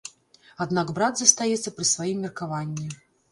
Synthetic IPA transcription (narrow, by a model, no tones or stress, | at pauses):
ad̪naɡbɾad̪zɐst̪ajɛt̪sːɐpɾɨsvajimːʲɛrkavanʲːi